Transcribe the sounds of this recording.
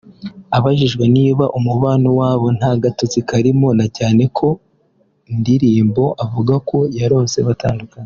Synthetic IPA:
aβaʒiʒɡwe̞niːβaʔumuβaːnowaːβo̞n̥haɡato̞zikaɾimonacaːne̞kʰo̞ | ndiɾiːmbo̞ʔavuɡako̞jaɾo̞ːnse̞βata̰ːndukaɲe

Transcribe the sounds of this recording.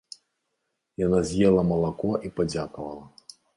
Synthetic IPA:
janazʲjɛlˠɐmɐlˠakɔʔipad͡zʲakɐvɐlˠɐ

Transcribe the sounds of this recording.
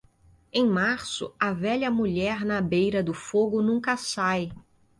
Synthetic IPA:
ẽj̃maɾsʊ̰ɐvɛʎɐmuʎɛɾnɐbejɾɐd̪ʊfoɡʊnũkɐsaj

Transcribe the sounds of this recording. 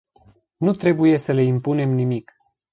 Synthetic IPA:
nut̪ɾe̞buje̞səle̞impune̞mnimik

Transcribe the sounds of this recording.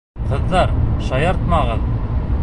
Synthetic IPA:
qɤ̆ðːɑɾʃɑjɑɾt̪mɑʁɤð

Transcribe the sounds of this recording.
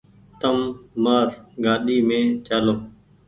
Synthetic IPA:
t̪əmːaːɾɡaːɗiːmẽːt͡ʃaːloː

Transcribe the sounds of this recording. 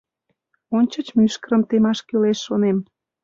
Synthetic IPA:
onʲt͡ɕə̆t͡ɕmyʃkəɾəmt̪emɑʃkøleʃːonem

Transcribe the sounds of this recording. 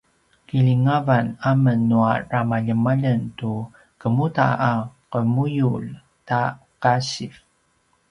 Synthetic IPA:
kiliŋavanamənːuaramaʎəmaʎəntu | kəmuta̰aqəmujul | ta | kaɕif

